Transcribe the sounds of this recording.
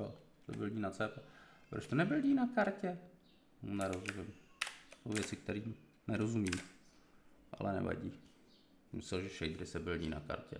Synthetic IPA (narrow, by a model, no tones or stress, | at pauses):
o | t̪obɪlɲiːnat͡sɛːpɛpɾot͡ʃt̪onɛbɪlɟiːnakaɾcɛ | nɛɾozumɪmsowvjɛt͡sɪk̚t̪ɛɾiːm | nɛɾozumim | ʔa̰lɛnɛ̰va̰ɟiː | mɪsɛlʒɛfʃɛjd̪ɾɪsɛbɪlɟḭːna̰ka̰ɾcɛ̰